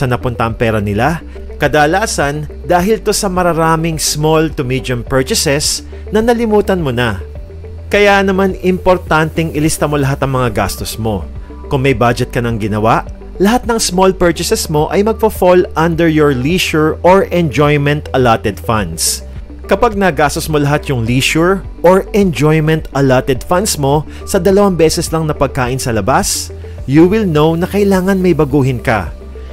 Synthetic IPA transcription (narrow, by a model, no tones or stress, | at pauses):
sɐnɐpʊnt̪ɐʔɐŋpɛːɾɐnɪla | kɐd̪aːlaːsɐn | d̪aːɦɪlt̪o̞sɐmɐɾɐɾaːmɪŋsmolt̪ʊmid͡ʒ̪ɐmpɛɹt͡ʃɪsɛs | nɐnɐlɪmuːt̪ɐnmo̞nɐ | kɐjanɐmanɪmpo̞ɾt̪ant̪ɛŋʔɪlɪst̪ɐmo̞lɐɦat̪ːɐŋmɐŋaɡa̰st̪osmo̞ | kʊŋmɐjbad͡ʒɛt̪̚kɐnɐŋɡɪnɐwaʔ | lɐɦat̪̚nɐŋsmolpɛɹt͡ʃɪsɛsmo̞ʔɐjmɐɡ̚fɐfolʔɐnd̪ɛɹjɔɹliːʃʊɹoɹʔɛ̃nd͡ʒojmɛnt̪ɐlat̪ɛd̪fɐnd̪s | kɐpaɡ̚nɐɡaːst̪osmo̞lɐɦat̪jʊŋliːʃʊɹ | ʔoɹɛnd͡ʒojmɛ̃nt̪ɐlat̪ɛd̪fɐnd̪smo̞ | sɐd̪ɐlɐwambɛːsɛslɐŋnɐpɐɡ̚kaːʔɪnsɐlɐbas | juwɪlnownɐkɐʔɪlaːŋɐnmɐjbɐɡuːɦɪnkɐ̰